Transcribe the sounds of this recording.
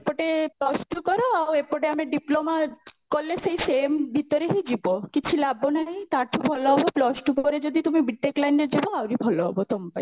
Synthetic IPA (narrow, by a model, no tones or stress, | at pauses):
epɔʈeplɔsʈukɔɾoawepɔʈeameɖiplomakolːesejsembʱit̪ɔɾeɦid͡ʒibokit͡ʃʰilabonaɦĩt̪aɾʈʰubʱɔloɦɔboplɔsʈupɔɾed͡ʒod̪it̪umibiʈːeklajnɖed͡ʒiboawɾibʱɔloɦɔ̰bot̪ompa̰